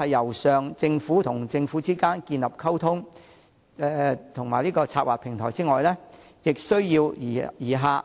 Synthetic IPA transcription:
ɐ˨jːɐ˨˩wsœː˨ŋt͡sɪ˧ŋfuː˨˥t̪ʰʊ˨˩ŋt͡sɪ˧ŋfuː˨˥t͡siː˥kaː˥nkiː˧nlɐ˨p̚kʰɐ˥wt̪ʰʊ˥ŋ | ɛ˧t̪ʰʊ˨˩ŋmaː˨˩jliː˥kɔː˧t͡sʰaː˧t̚waː˨t̚pʰɪ˨˩ŋt̪ʰɔː˨˩jt͡siː˥ŋɔː˨jlɛ˥ | jɪ˨k̚sɵ˥ɥjiː˧wjiː˨˩ɦaː˨˧

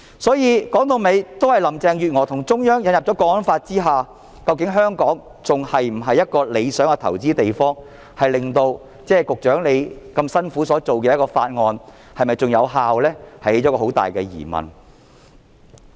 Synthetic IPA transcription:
sɔː˨˥jiː˧kɔː˨˥ŋt̪o˧wme˨˧jt̪o˥whɐ˨jlɐ˨˩mt͡sɛː˨˧ŋjyː˨t̚ŋɔː˨˩t̪ʰʊ˨˩ŋt͡sʊ˥ŋjœː˥ŋjɐ˨˥njɐ˨p̚ɔː˨˥kɔː˧ɔ˥nfaː˧t̚t͡siː˥ɦaː˨ | kɐ˧wkɪ˨˥ŋɦœː˥ŋkɔː˨˥ŋ | t͡sʊ˨ŋhɐ˨jm̩˨˩ɦɐ˨jːɐ˥t̚kɔː˧le˨˧jsœː˨˥ŋɐ˧t̪ʰɐ˨˩wt͡siː˥t̪e˨jfɔː˥ŋ | hɐ˨jlɪ˨ŋt̪o˧w | t͡sɛː˥˩kʊ˨k̚t͡ʃœː˨˥ŋle˨˧jkɐ˧msɐ˥nfuː˨˥sɔː˨˥t͡so˨wkɛː˧jɐ˥t̚kɔː˧faː˧t̚ŋɔː˧n | hɐ˨jmɐ˨jt͡sʊ˨ŋjɐ˨˧wɦaː˨˧wlɛː˥hɐ˨jhe˨˥jt͡sɔː˨˥kɔː˧o˨˥wt̪a̰ː˨jkɛː˧jḭː˨˩mɐ̰˨˩n

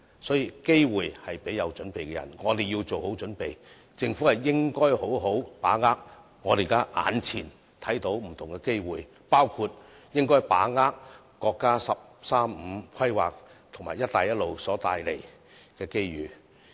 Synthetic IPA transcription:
sɔː˨˥jiː˨ke˥jwuː˨jhɐ˨jpe˨˥jɐ˨˧wt͡ʃɵ˨˥npe˨jkɛ˧jɐ˨˩nŋɔː˨˧t̪e˨ji˧wt͡so˨who˨˥wt͡ʃɵ˨˥npe˨j | t͡sɪ˧ŋfu˨˥hɐ˨jːɪ˥ŋkɔː˥jho˨˥wɦo˨˥wpaː˨˥ŋaː˥k̚ | ŋɔː˨˧t̪e˨˩ka˧ʔa̰ː˨˧˥nt͡sʰiː˨˩n | t̪ʰɐ˨˥jt̪o˨˥wm̩˨˩t̪ʰʊ˨˩ŋkɛ˧ke˥jwuː˨j | paː˥wkʰu˧t̚ | jɪ˥ŋkɔː˥jpa̰ː˨˥ŋaː˥k | kːɔː˧kːaː˥sɐ˨p̚saː˥m̩˨˧˥kʰwɐ˥jwa̰ː˨k̚t̪ʰʊ˨˩ŋmaː˨˩jɐ˥t̪̚ːaː˨jɐ˥t̚lo˨wsɔː˨˥t̪aː˧jlḛ˨˩j | kɛː˧ke˥jɥyː˨˧

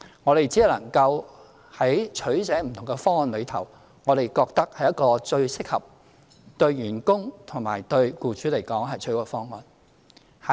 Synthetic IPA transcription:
ŋɔː˨˧ɾe˨jt͡si˨˥i˨wlɐ˨˩ŋkɐ˧w | hɐ˨˥jt͡ʃʰɵ˨˥ɥsɛː˨˥m̩˨t̪ʰʊ˨˩ŋɡɛ˧fɔː˥ŋɔː˨nlɵ˨˧ɥt̪ʰɐ˨˩w | ŋɔː˨˧ɾe˨jkɔː˧k̚t̪ɐ˥k̚hɐ˨jɐ˥t̚kɔː˧t͡ʃɵ˧ɥsɪ˥k̚hɐ˨p̚ | t̪ɵ˧ɥɥyː˨˩nkʊ˥ŋt̪ʰʊ˨˩ŋmaː˨˩jt̪ɵ˧ɥkuː˨˧t͡ʃyː˨˥le˨˩jkɔː˨˥ŋɦɐ˨jt͡ʃʰɵ˨˥kɔː˧fɔː˥ŋːɔː˨n | hɐ˨

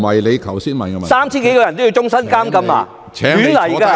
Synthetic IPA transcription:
ɐ˨jle˨˧jkʰɐ˨˩wsiː˥nmɐ˨˩nkɐ˧mɐ˨saː˥mt͡ɕʰiː˥nke˨˥jkɔ˧ɐ˨˩nt̪o˥ji˧wt͡ʃʊ˥ŋsɐ˥nkaː˥mkɐ˧ma̰ː˧ | ɛ˨˦yː˨˥nlɐ˨˩jka˧

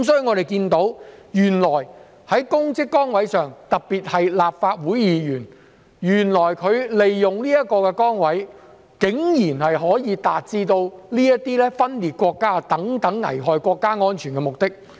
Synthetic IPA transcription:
msɔː˧˥jyː˧ŋɔ˨˧ɾe˨˩jkiː˧nt̪o˨˥wjyː˨˩nlɔː˨˩j | hɐ˨˥jkʊ˥ŋt͡sɪ˥kːɔː˥ŋwɐ˨˥jsœː˨ŋt̪ɐ˨k̚piː˨t̚hɐ˨jlaː˨˩p̚faː˧t̚wuː˨˥jjiː˨˧jyː˨˩n | jyː˨˩nlɔː˨˩jkʰɵ˨˧ɥle˨jːʊ˨˩ŋliː˥jɐ˥t̚kɔː˧kɛ˧kɔː˥ŋwɐ˨˥j | kɪ˨˥ŋjiː˨˩nhɐ˨jɦɔː˨˥jiː˨˧t̪aː˨t̚t͡siː˧t̪o˧wliː˥jɐ˥t̪iː˥lɛː˥fɐ˥nliː˨t̚kʷɔː˧kːaː˥t̪ɐ˨˥ŋt̪ɐ˨˥ŋːɐ̰˨˩jɦɔː˨jkʷɔː˧kːaː˥ŋɔː˥nt͡ʃʰyː˨˩nkɛː˧mʊ˨˩k̚t̪ɪ˥k̚

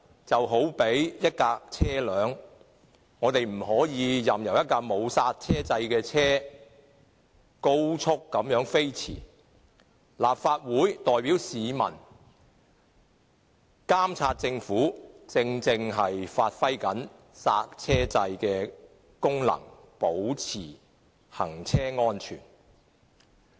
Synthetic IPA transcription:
t͡sɐ˨wɦo˨˥wpe˨˥jjɐ˥t̚kaː˧k̚t͡sʰɛː˥lœː˨˧ŋ | ŋɔː˨˧t̪e˨jm̩˨˩ɦɔː˨˥jiː˨˧jɐ˨mjɐ˨˩wjɐ˥t̚kaː˧mo˨˧wsaː˧t̚t͡sʰɛː˥t͡sɐ˧jkɛː˧t͡sʰɛː˥ | ko˥wt͡sʰʊ˥kːɐ˨˥mjœː˨˥ŋfe˥jt͡sʰḭː˨˩ | laː˨p̚faː˧t̚wuː˨˥jt̪ɔː˨jpiː˨˥wsiː˨˧mɐ̰˨˩n | kaː˥mt͡sʰaː˧t̚t͡sɪ˧ŋfuː˨˥t͡sɪ˧ŋt͡sɪ˧ŋɦɐ˨jfaː˧t̚fɐ˥jkɐ˨˥n | sa̰ː˧t̚t͡sʰɛː˥t͡sɐ˧jkɛː˧ | kʊ˥ŋlɐ̰˨˩ŋ | po˨˥wt͡sʰiː˨˩ | hɐ˨˩ŋt͡sʰɛː˥ŋɔː˥nt͡ʃʰy̰ː˨˩n

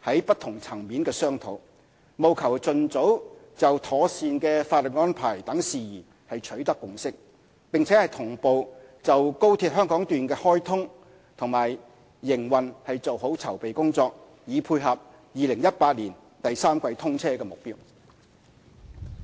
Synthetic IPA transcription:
hɐ˨˥jpɐ˥t̪ʰːʊ˨˩ŋt͡sʰɐ˨˩ŋmiː˨˥nkɛː˧sœː˥ŋt̪ʰo˨˧˥w | mo˨˧wkʰɐ˨˩wt͡sɵ˨nt͡so˨˥w | t͡sɐ˨wt̪ʰɔː˨˥siː˨˧nkɛː˧faː˧t̚lɵ˨˩t̚ŋɔː˥npʰa̰ː˨˩jt̪ɐ˨˥ŋsiː˨jiː˨˩ | hɐ˨jt͡ʃʰɵ˨˥ɥt̪ɐ˥kːʊ˨˧ŋsɪ˥k̚ | pɪ˨ŋt͡sʰɛ˨˥hɐ˨jt̪ʰʊ˨˩ŋpo˨wt͡sɐ˨wko˥wt̪ʰi˧p̚hœː˥ŋkɔː˨˥ŋt̪yː˨nkɛː˧hɔː˥jt̪ʰʊ˥ŋ | t̪ʰʊ˨ŋmaː˨˩jː | ɪ˨˩ŋwɐ˨nhɐ˨jt͡so˨who˨˥wt͡sʰɐ˨˩wpe˨jkʊ˥ŋt͡sɔː˧k̚ | jiː˨˧pʰuː˧jɦɐ˨p̚ | jiː˨lɪ˨˩ŋjɐ˥t̚paː˧t̚liː˨˩n | t̪ɐ˨jsaː˥mkʷɐ˧jt̪ʰʊ˥ŋt͡sʰɛː˥kɛː˧mʊ˨k̚piː˥w

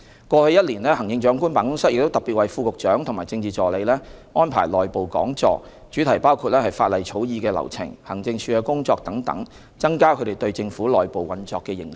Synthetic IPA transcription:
kʷɔː˧hɵ˧ɥjɐ˥t̚liː˨˩nlɛː˥hɐ˨˩ŋjɪ˧ŋt͡ʃœː˨˥ŋkuː˥npaː˨nkʊ˥ŋsɐ˥t̚jɪ˨kt̪o˥wt̪ɐ˨˩pi˨t̚wɐ˨jfuː˧kʊ˨k̚t͡ʃœː˨˥ŋt̪ʰʊ˨˩ŋmaː˨˩jt͡sɪ˧ŋt͡siː˨t͡ʃɔː˨le˨˧jlɛː˥ŋɔː˥npʰa̰ː˨˩jlɔː˨˩jpo˨wkɔ̰ː˨˥ŋt͡ʃɔ̰ː˧k̚ | t͡ʃyː˨˥t̪ʰɐ˨˩jpaː˥wkʰu˧t̚lɛː˥hɐ˨jfaː˧t̚lɐ˨jt͡ʃʰo˨˥wjiː˧kɛː˧lɐ̰˨˩wt͡sʰɪ̰˨˩ŋhɐ˨˩ŋt͡sɪ˧ŋsʰyː˧ɐ˧kʊ˥ŋt͡sɔː˧k̚t̪ɐ˨˥ŋt̪ɐ̰˨˥ŋ | t͡sɐ˥ŋkaː˥kʰɵ˨˧ɾe˨˩jt̪ɵ˧ɥt͡sɪ˧ŋfuː˨˥lɔː˨jpo˨wɐ˨nt͡ʃɔ̰ː˧kːɛː˧jɪ̰˨˩ŋ

